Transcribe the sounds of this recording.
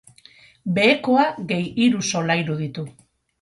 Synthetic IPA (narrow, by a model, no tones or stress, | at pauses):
be̞ːko̞aɡe̞jiɾuso̞lajɾuðit̪u